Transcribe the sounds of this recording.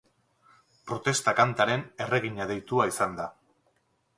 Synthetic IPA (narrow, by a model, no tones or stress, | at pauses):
pɾo̞t̪e̞st̪akant̪aɾe̞ne̞re̞ɣ̞iɲað̞e̞jt̪uaisand̪a